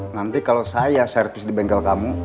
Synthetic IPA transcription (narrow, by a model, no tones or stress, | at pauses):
nant̪ikalosajasɛrfisdibɛŋɡalkamu